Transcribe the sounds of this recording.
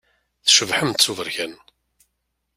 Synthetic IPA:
θʃəvħəmt̪t͡sːuvəɾçæn

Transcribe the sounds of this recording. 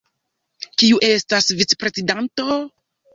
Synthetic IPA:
kiuʔe̞stasvit͡se̥pɾe̞zidanto̞

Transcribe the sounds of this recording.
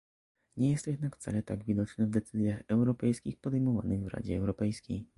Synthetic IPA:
ɲɛjɛst̪jɛd̪nakft̪sa̰lɛt̪aɡvʲid̪ɔt͡ʂnɛvd̪ɛt̪sɘzʲjaxɛwɾɔpɛjskʲixpɔd̪ɛjmɔva̰nɘɣvɾa̰d͡ʑɛːwɾɔpɛjskʲej

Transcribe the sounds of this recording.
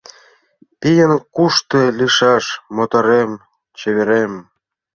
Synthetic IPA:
t̪ijənkuʃt̪eliʃɑʃmot̪oɾem | t͡ɕeβeɾem

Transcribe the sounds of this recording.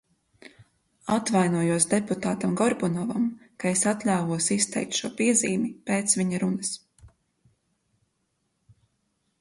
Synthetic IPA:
at̪vajnuɔjuɔsd̪eput̪aːt̪amɡɔɾbɔnɔvamkaesat̪lʲaːvuɔsist̪ɛ̰jk̚t̪ʃuɔpiɛziːmipeːt̪sviɲaɾunɐs

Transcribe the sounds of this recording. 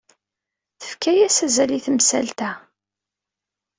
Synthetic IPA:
θə̥fkæjæsæzæliθəmsælt̪æ

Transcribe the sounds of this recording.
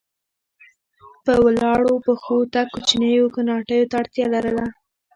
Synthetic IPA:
pəwlɑɽopəxot̪akːut͡ʃnəjokanɑʈəjot̪aːɽt̪jɑlaɾəla

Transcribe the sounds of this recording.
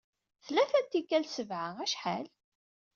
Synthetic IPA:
θlːæθænt̪ːikːælsəvʕaæʃħa̰l

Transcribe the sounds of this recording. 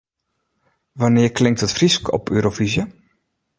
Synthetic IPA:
ʋanɪərkʰlɪŋ̚tətfriskɔ̰pø̰ːɾofizjə

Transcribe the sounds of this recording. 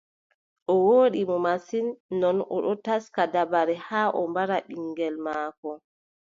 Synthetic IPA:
ʔɔwoːɗimɔmasinːɔnɔ̰ɗɔtaskadabaɾɛhaːʔɔ̰mbaɾaɗiŋɡɛlmaːkɔ

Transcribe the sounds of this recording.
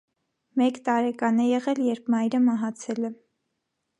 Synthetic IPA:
mɛkt̪ɑɾɛkɑnɛjɛʁɛljɛɾp̚ʰmɑjɾəmɑɦɑt͡sʰɛlɛ

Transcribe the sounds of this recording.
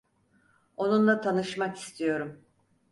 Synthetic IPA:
o̞nunlˠat̪ʰanɯʃmaki̥st̪ʰijo̞ɾum

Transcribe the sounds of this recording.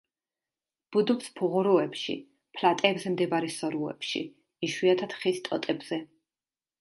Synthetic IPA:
b̥ud̪upspʰuʁuɾuɛpʃḭ | pʰlat̪ʼɛːbzɛmd̪ɛbaɾisɔɾuɛ̰pʃḭ | iʃwiat̪ʰad̪̥χist̪ʼɔt̪ʼɛbz̥ɛ

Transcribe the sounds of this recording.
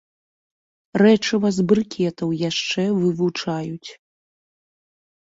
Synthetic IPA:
rɛt͡ʂɨvazbrɨkʲʰɛt̪ɐwjaʂt͡ʂɛvɨvut͡ʂajut͡sʲ

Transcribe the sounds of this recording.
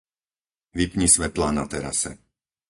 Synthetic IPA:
ʋipɲisʋɛt̪laːnat̪ɛɾa̰sɛ̰

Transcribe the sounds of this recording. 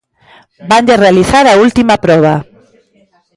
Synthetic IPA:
band̪erealiθaɾault̪imapɾoβ̞a

